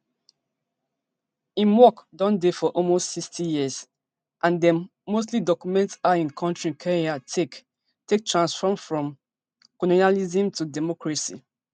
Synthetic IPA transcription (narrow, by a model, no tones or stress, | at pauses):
ĩnwɔkdɔ̃ndefɔʔɔmostsikstijiəz | ʔãndɛ̃nːos̬tlidɔkjumɛ̃ntsaĩnkʰɔ̃ntɹĩnkʰɛɹiatʰek | tek̚tɹãnsfɔmfɹɔ̃m | kɔlinalizĩmtudɛmɔkɹasḭ